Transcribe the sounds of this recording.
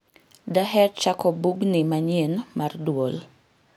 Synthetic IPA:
daɦɛrt͡ʃakɔbuɡnimaɲenmardwol

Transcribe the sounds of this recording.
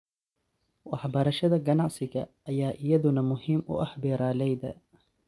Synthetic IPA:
wʔaħbɑɾˤɑʃad̪aɡanaʕsɪkaʔajaːʔjad̪ʊnamʊhimːʔʊ̰ʔaħbɪɾˤalajd̪a

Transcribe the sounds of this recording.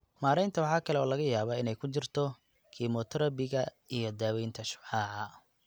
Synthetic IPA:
maːɾɛjnt̪ʰɐwɑħɑːkʰɐlɛɔːlɐɣɐjaːβɐɪnɛjkʰʊt͡ʃɪrt̪ʰɔ | kʰiːmɔt̪ʰɾɐbɪɣɐ | ijɔd̪aːwɛjnt̪ʰɐʃʊ̥bħaːʕɐ

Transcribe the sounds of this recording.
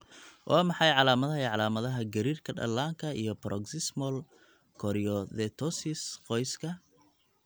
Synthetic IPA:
wʔɑ̰ːmɑħɑjʕɑlaːmɐðɐɦjʕɑlaːmɐðɐɦɐɡɐɾiːrkʰɐɖɐ̰lːaːŋkʰɐḭjɔpɾʔɔ̰ɡsɪsmɔl | kʰɔɾɪjɔðɛt̪ʰɔsɪsqɔjskʰɐ

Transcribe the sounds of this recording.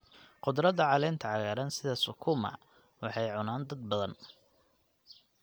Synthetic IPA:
qʊd̪ɾɐðɐʕɑlɛːnt̪ʰɐʕɑɣaːɾɐnsɪðɐsʊkʰuːmɐ̰ | wɑħɑjʕʊnaːnd̪ɐd̪̚bɐðɐn

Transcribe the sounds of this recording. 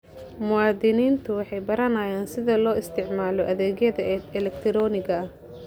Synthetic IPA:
mʊwaːd̪ɪniːnt̪ʰʊwɑħɑjbɐɾɐnajaːnsɪðɐlɔːɪst̪ʰɪʕmaːlɔʔɐðɛːɣjɐðɐɛlɛkt̪ʰɪɾɔːnɪɡɐɐh

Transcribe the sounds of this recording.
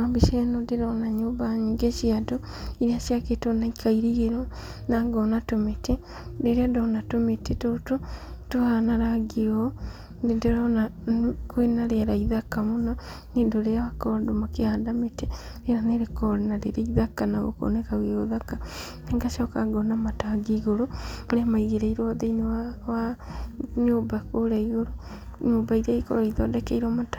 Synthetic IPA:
ambiʃɛnodeɾɔnaɲoːbaɲiːŋɡeʃiado | iɾiaʃjaketonaikʰaiɾiɣeɾɔ | naɡɔnatomete | deɾeandɔnatometetoto | tohanaɾaɡeɔ | nendeɾɔnakwenaɾeaɾaiðakamona | nendoɾeawakɔɾdomakeaːndamete | enaneɾekɔɾenaɾeɾeiðakanaɣo̰ko̰nekaɣeoðaka | neŋɡaʃɔːkaɡɔnamataɡiɣoɾomoɾemaiɣeɾeiɾɔðeinewawa | ɲoːbakoɾaiɣoɾo | ɲoːbaiɾaikoɾoiðɔdɛkɛiɾɔmata

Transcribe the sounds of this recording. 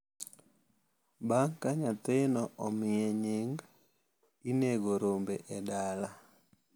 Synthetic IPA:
baŋkaɲat̪ɪnɔʔɔmɪjeɲɪŋɡ | ineɡoɾombeʔɛdala

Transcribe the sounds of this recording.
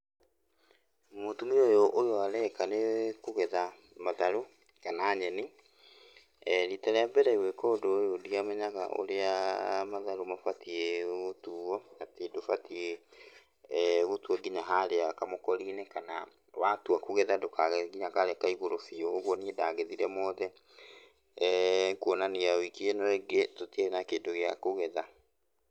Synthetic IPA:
motumiojoʔojoaɾɛkanekuɣɛða | maðaɾo | kanaːɲɛni | ɾitaɾeabɛɾaiwɛkɔdojodiamoɲaɣa̰ʔo̰ɾeamaðaɾomafatieɣotuɔnatedofatie | ɣotuɔɡiɲaɦaɾeakamokɔɾinekana | watuakuɣɛðadokʰaɣɡiɲakaɾɛkaiɣoɾofioːɣwɔniedaɣeðiɾɛmɔːðɛ | ŋkuɔnaniawikienɔeɡetotenakeːndoɣeakoɣɛða

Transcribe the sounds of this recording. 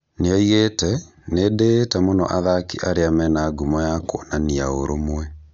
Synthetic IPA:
neɔiɣetɛ | nedetamonɔ̰ʔaðakiʔaɾeamɛnaɡumɔjakɔ̰naniaoɾomwɛ

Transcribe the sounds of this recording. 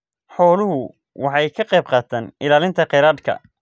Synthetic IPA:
ħɔːlʊɦʊ | wɑħɑjkʰɐqɛjb̚qɑːt̪ʰaːnɪlaːlɪnt̪ʰɐqɛɾaːd̪kʰɐ̰

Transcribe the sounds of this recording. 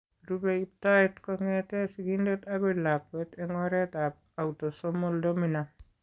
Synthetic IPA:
ɾubɛip̚taɛt̪kɔŋɛtɛsiɡindɛt̪aɡɔlapwɛt̪ɛŋɔɾɛt̪ap̚awtɔsɔmɔldomina

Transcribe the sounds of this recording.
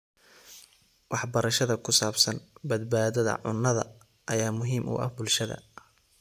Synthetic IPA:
wʔɑħbɐɾɐʃɐðɐkʰʊsaːbsɐnbɐd̪̚baːðɐðɐ̰ʕʊ̰nːɐðɐ̰ | ʔɐjaːmʊɦiːmʔʊ̰ʔɐ̰hbʊlʃɐðɐ̰

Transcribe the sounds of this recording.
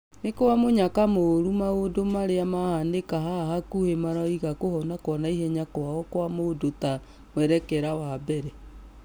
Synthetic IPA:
nekowamoɲakamoɾumaodomaɾeamahandekaɦahakuhemaɾɔiɣakohɔnakwɔnaiɦɛɲakɔaɔkwamodota | mwɛɾɛkɛɾawabɛɾɛ

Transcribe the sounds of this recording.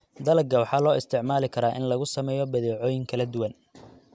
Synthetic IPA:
d̪ɐlɐɡɐwɑħɑːlɔːɪst̪ʰɪʕmaːlɪkʰɐɾaːʔɪnlɐɣʊsɐmɛːjɔbɐðɛːʕɔːjɪŋkʰɐlɐd̪ʊwɐn

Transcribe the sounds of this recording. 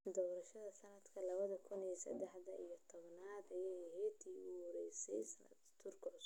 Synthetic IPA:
d̪ɔːɾɐʃɐðɐsɐnɐd̪kʰɐlɐβɐðɐkʰʊniɛsɐ̰d̪ɛħd̪ɐʔḭjɔt̪ʰɔβnaːd̪ɐjɛjɦɛːt̪ʰiːʊɾɛ̰jsɛ̰jsɐnɐ̰d̪ | t̪ʰʊrkʰɔːs

